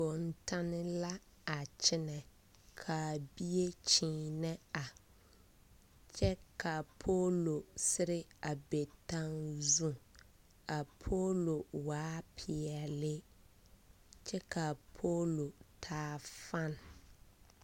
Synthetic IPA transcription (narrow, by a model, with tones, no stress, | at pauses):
o˨n̩˨tʰa˦nɪ̃˦la˦ | a˨t͡ɕʰɪ˦nɛ̃˨ | kʰa˨bi˦e˦t͡ɕʰĩː˨nɛ̃˦a˨ | t͡ʃʰɛ˦kʰa˨pʰo˦lo˨sɪ˦ɾɪ˦a˨bɛ˨tʰã˦ŋzũ˦ | a˨pʰo˦lo˨waː˨˦pʰɪ˨ɛ˨lɪ˦ | t͡ʃʰɛ˦kʰa˨pʰo˦lo˨tʰaː˦fã˦n˦